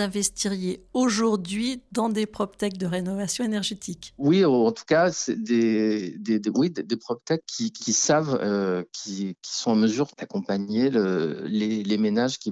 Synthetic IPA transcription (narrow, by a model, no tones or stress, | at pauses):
ɛ̃vɛst̪iʁjeoʒuʁd̪ɥid̪ɑ̃d̪epχɔp̚t̪ɛk̚d̪əʁenɔvasjɔ̃enɛʁʒet̪ikwioɑ̃t̪u̥kasɛd̪ed̪ed̪ewid̪ed̪epχɔp̚t̪ɛkːʰʲikʲʰisavøkʲʰikʲi̥sɔ̃ãməzyʁd̪̥akɔ̃paɲeølelemenaʒkʲi